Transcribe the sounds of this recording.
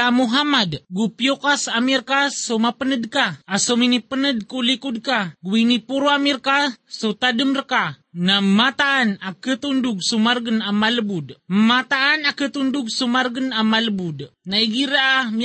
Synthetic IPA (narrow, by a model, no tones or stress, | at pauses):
amuɦamadɡupiokasamirkasomapənədkaːsominipənəd̚kulikud̚kaɡuwinipuɾuamirkasot̪adəmrəkanamat̪aʔːnakət̪unduɡ̚sumarɡənamaləbudmat̪aʔːnakət̪unduɡ̚sumarɡənamaləbudnaiɡiɾaam